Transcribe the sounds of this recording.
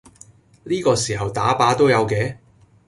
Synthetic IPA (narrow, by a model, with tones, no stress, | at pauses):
liː˥kɔː˧siː˨˩ɦɐ˨wt̪aː˨˥paː˨˥t̪o˥wjɐ˨˧wkɛː˨˧